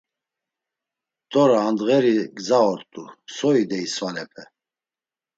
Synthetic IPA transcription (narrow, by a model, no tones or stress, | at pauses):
t̪ʼɔɾaːnd̪ɣɛɾiɡzaɔɾt̪ʼusɔid̪ɛisvalɛpʰɛ